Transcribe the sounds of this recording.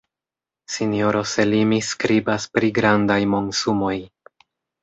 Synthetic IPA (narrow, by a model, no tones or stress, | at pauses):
sinijo̞ɾo̞selimiskɾibaspɾiɡɾandajmo̞nsumo̞j